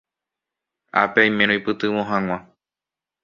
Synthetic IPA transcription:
a̰peaj̃mẽɾ̃õipɨt̪ɨʋõɦãŋ̃ʷã

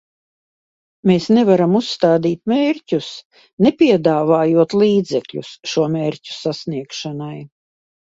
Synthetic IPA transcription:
meːsnɛvaɾamusːt̪aːd̪iːt̪̚meːɾʲcʲus | nepʲiɛd̪aːvaːjuɔt̪liːd̪zɛkʎʲṵsʃuɔmeːɾcʲu̥sasniɛkʃanaj

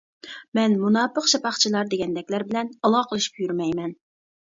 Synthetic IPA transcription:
mɛnmunɑpːəqʃɑpɑχt͡ʃʰilˠɑɾd̪eɡʲɛnd̪ɛkʲlæɾbɪlɛnɑlˠɑːqʰəlˠɨʃy̥pjyɾmɛjmɛn

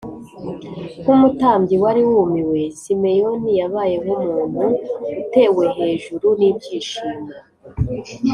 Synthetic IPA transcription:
kumutaːmɟiwaɾiwuːmiwe̞sime̞jo̞nijaβaːje̞ɦumuːn̥huute̞ːwe̞ɦe̞ːʒuɾuniːb̚ɟiːʃiːma

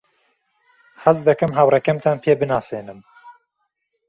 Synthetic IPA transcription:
hɐzd̪ɐkɨmɦawrɛkɛmt̪ʰanpʰeːbɨnaːseːnɨm

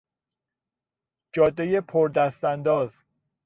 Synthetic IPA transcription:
d͡ʒɒːd̪ːejepʰoɾd̪æst̪ænd̪ɒːz

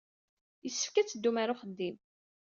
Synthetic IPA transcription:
jəsːə̥fkæt͡sːəd̪ːumaɾʊχəd̪ːim

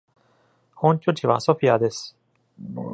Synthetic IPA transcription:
hõ̞ɲkʲo̞t͡ɕiβaso̞ɸʲiad̪e̞sɨ̥

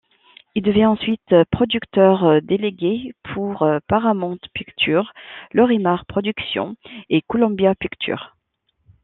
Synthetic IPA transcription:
ild̪əvjɛ̃ɑ̃sɥit̪pχɔd̪ykt̪œʁd̪eleɡʲepʰuʁpaʁamɔ̃t̪pikt̪ʰyʁlɔʁimaʁpχɔd̪yksjɔ̰̃ekɔlɔ̃bjapikt̪ʰy̰ʁ

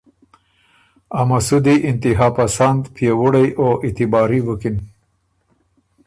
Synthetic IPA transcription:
amasud̪iʔɪnt̪ɪɦɑːpasand̪pjawʊɽajʔoʔɪt̪ɪbɑɾiwukin

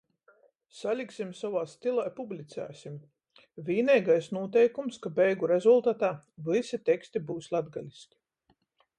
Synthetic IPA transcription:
salʲiksimsavaːst̪ilˠajpublʲit̪sæ̰ːsim | viːnɛjɡajsnuɔt̪ɛjkumskabɛjɡuɾezulˠt̪at̪aːvisit̪ʲɛkst̪ibuːslˠad̪ɡalʲisʲkʲi̥

